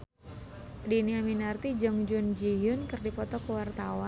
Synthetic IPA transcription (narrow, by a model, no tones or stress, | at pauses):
diniaminart̪id͡ʒəŋd͡ʒʊnd͡ʒijʊnkərdipɔt̪ɔkəwart̪awan